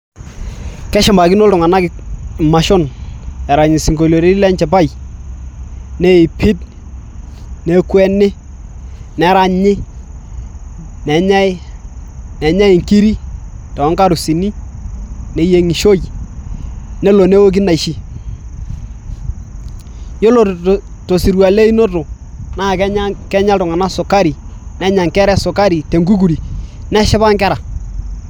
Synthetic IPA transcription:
kɛ˦ʃa˨mba˨kɪ˦no˦ltʊ˨ŋa˨na˦kɪ˨ma˨ʃo˦˨nɛ˨ɾa˨ɲɪ˨si˨ŋɡo˨lo˨ɾe˦lɛ˦ɲt͡ʃɛ˨p̬a˦˨j | nɛ˦ɪ˨pʰi˦t | ne˨˦kwɛ˦nɪ˦ | nɛ˨˦ɾa˨ɲɪ˦ | nɛ˨ɲa˦ɪ˦ | nɛ˨ɲa˦ɪ˨ŋki˦ɾi˦tɔ˨ɔ˦ŋka˦ɾu˨si˨ni˦ | nɛ˨˦je˦ŋi˨ʃo˦j | nɛ˦lo˨ne˦wo˦k̬i˦na˨i˨ʃi˦ | jo˦lo˨to˨si˨ɾwa˨le˦i˦no˦tʊ˨ | naː˦˨kɛ˦ɲa˦kɛ˦ɲa˦tʊ˨ŋa˨na˦sʊ˨ka˦ɾi˨nɛ˦ɲa˨ŋkɛ˦ɾɛ˦sʊ˨ka˦ɾi˨te˨ŋɡu˦k̬u˨ɾi˨nɛ˦ʃɪ˦ba˦ŋkɛ˦ɾa˨

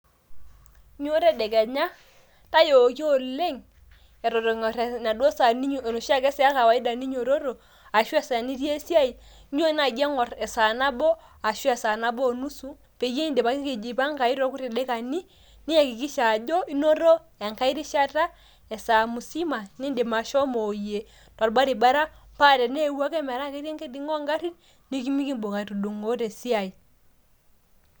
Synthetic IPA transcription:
ɲ˦o˦ɾɛ˦dɛ˨kɛ˨ɲa˦ | ta˦jo˨ki˦o˨le˦ŋ | ɛ˨ɾɔ˨ɾɔ˨ŋ˨ɾe˨na˨do˦sa˨ni˦ɲ˨no˨ʃa˦˨kɛ˦sɛ˦a˦ka˨wa˨i˦da˨ni˦ɲo˨ɾo˦ɾo˨ | a˨ʃwu˦a˦sa˨ni˦ɾi˦e˦si˦a˦i˨ | ɲ˦o˦na˨ɡɛ˦ŋɔ˨ɾɛ˨sa˨na˦bɔ˦ | a˨ʃu˦a˨sa˨na˦bɔ˦˨nu˦su˦ | pe˨je˦ni˦nde˨pa˨ki˦ki˨d͡ʒi˨pa˦ŋka˨i˦ɾɔ˦ku˦ɾi˨de˦ka˨ni˦ | ni˦a˨ki˨ki˦ʃa˨d͡ʒɔ˦i˦no˦ɾɔ˦ | a˨ŋka˦i˦ɾi˦ʃa˦ta˦ | ɛ˨sa˨mu˨si˦ma˨ni˦nde˨ma˨ʃɔ˦mɔ˨je˨ | ta˨ɾba˦ɾi˨ba˦ɾa˦mpa˦˨tɛ˨ne˦˨˦wa˦kɛ˦mɛ˨ɾa˦ke˦ɾe˦ŋke˦di˨ŋɔ˦ŋɡa˦ɾi˦t | ni˦ki˦mi˦ki˦mbo˨ka˨tu˨do˨ŋɡo˦tɛ˨si˦a˨i˨

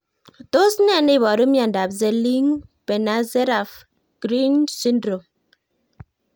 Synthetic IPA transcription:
to˦snɛ˦˨ne˦˨βɔ˨ɾo˦mja˨n̩˨da˨p̚ze˨li˦ŋpe˨na˨˦ze˦ɾa˨f | ɡ̥ɾi˦nsi˦n˦dɾo˨m

